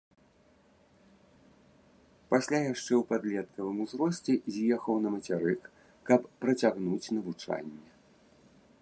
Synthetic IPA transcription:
pasʲlʲajaʂt͡ʂɛwpad̪lʲɛt̪̚kɐvɨmuzɾɔsʲt͡sʲɛzʲjɛxɐwnɐmɐt͡sʲaɾɨkː | ɐppɾɐt͡sʲaɣnut͡sʲnɐvut͡ʂa̰nʲːɛ

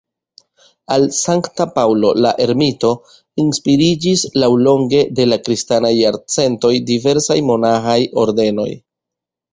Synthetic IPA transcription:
alsaŋktapawlo̞̰laʔe̞ɾmito̞ | inspiɾid͡ʒislawlo̞ŋɡe̞de̞lakɾistanajːaɾt͡se̞nto̞jdive̞ɾsajmo̞naxajo̞ɾde̞no̞̰j

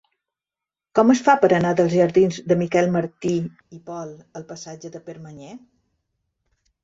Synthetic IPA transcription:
kɔməsfapəɾənaðəlˠzʒəɾðinzd̪əmikɛlˠməɾt̪i | ipɔlˠəlˠpəsad͡ʒəðəpəɾməɲɛ

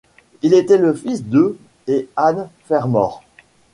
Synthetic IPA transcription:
ilet̪ɛləfisd̪ø | eanfɛʁmɔːʁ

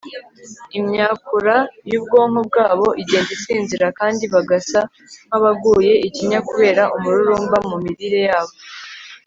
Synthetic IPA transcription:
imɲaːkuɾajuːbɡo̞ːŋ̥ob̚ɡaːβo̞ʔiɟe̞ːndisiːnziɾakaːndiβaɡasa | m̥haβaɡuːje̞iciɲakuβe̞ːɾaʔumuɾuɾuːmbamumiɾiɾe̞jaːβo̞

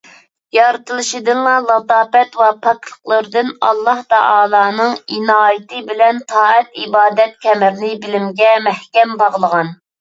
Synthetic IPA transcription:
jɑɾɨt̪ɨlˠɨʃid̪ɨnlˠɑlˠɑt̪ɑːpɛt̪wɑpʰɑklˠə̥qlˠəɾd̪ɨnɑ̰lˠːɑht̪ɑʔɑːlˠɑːnɨŋinɑːjət̪ɨbɪlɛnt̪ʰɑːɛt̪ibɑːd̪ɛt̪̚kʲʰɛmɪɾnɪbɪlɪmɡʲɛmɛhkʲɛmbɑʁəlˠəʁɑn

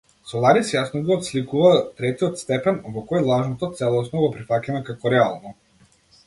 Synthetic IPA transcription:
sɔlˠaɾisjasnɔɡɔːt̪slʲikuvat̪ɾɛt̪iɔt̪st̪ɛpɛnvɔkɔjlˠaʒnɔt̪ɔt̪sɛlˠɔsnɔɡɔpɾifacanɛkakɔɾɛalˠnɔ

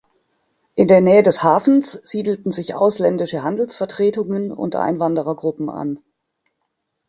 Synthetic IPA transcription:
ʔɪndeːɐnɛːədɛshaːfn̩sz̥iːdl̩tn̩zɪçʔa̰ʊslɛndɪʃəɦandl̩sfɛɐtʁ̥eːtʊŋənʊ̰ntʔa̰ɪnvandəʁɐɡʁʊpm̩a̰n

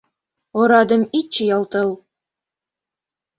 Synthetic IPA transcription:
ŏɾɑd̪ɤ̆mit̪̚t͡ɕɘjɑlˠt̪ɤ̆w

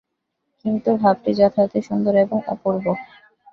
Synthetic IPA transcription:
kint̪ubʱab̚ʈid͡ʑat̪ʰat̪eʃund̪oɾeboŋa̰puɾbo

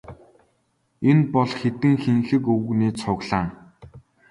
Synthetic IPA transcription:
enpɔɮxet̪ɘ̆ŋxeŋxɘ̆kɵwɵ̆ɣniːt͡sʰʊɣɮaːŋ

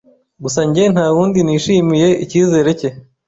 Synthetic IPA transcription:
ɡusaɲɟe̞n̥haːwuːndiniːʃiːmije̞ʔḭciːze̞ːɾe̞ce̞

